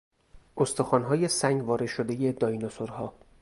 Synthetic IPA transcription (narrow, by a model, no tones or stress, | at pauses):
ʔost̪ɒxɒːnɦɒːje̞sæŋɡvɒːɾed̪ʃod̪e̞je̞d̪ɒːjnosoɾhɒː